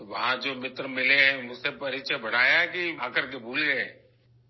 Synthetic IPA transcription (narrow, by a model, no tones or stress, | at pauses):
ʋɐɦãd͡ʒoːmɪt̪ɾəmɪleɦɛ̃ʊsepɐɾɪt͡ʃʰəbɐɽ̤aːjaɦɛkiaːkəɾk̬ebʱuːlɡɐeɦɛ̃